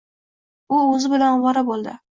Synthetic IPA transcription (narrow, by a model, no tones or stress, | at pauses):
ʊɵzɪbɪlanwɒɾabolˠd̪ɪ̰